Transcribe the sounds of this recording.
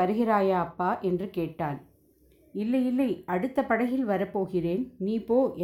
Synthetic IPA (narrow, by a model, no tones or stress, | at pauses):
ɐɾɯɣɪɾaːjaɐpːaːʔɛndrɯkeːʈːaːn | ɪlːɐjɪlːɐɪɐɽɯt̪ːɐpːɐɽɐjɪlʋɐɾɐpːoːɣɪreːnniːpoːʔɛ